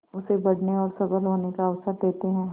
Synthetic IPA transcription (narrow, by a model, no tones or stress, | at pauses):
ʊsebɐɽ̤neɔːɾsɐbəlɦoːnekaəʋsəɾd̪eːt̪eɦɛ̃ː